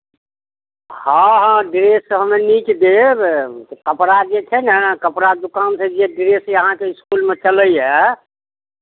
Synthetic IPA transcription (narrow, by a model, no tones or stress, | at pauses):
hãɦãɖiɾesəɦəmenit͡ʃd̪e | kəpɾad͡ʒet͡ʃʰɛnɛkəpɾad̪ukansʰed͡ʒeɖiɾeseəɦãkeiskulmet͡ʃələjɛ